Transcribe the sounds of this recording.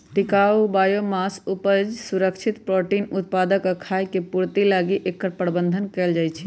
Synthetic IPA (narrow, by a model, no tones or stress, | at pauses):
t̪ikaubajomasupəd͡ʒsuɾəkt͡ʃʰit̪pɾoʈinut̪̚pad̪əkkʰajkepuɾt̪ilaɡiʔekːəɾpɾəbənd̪ʱənkɛld͡ʒajt͡ʃʰɛ